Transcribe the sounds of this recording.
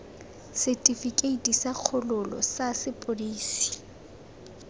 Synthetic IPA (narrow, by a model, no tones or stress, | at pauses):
sɛtʼifikʼeitʼisaq͡χʰʊlʊlɔ̰sasɪpʼoliːsi̥